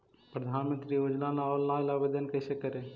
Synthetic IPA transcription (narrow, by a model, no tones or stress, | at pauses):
pɾɐd̪ʱaːnmənt̪ɾiːʊd͡ʒlãlaɔːllãːɪ̃labed̪ənkɐsekəɾẽ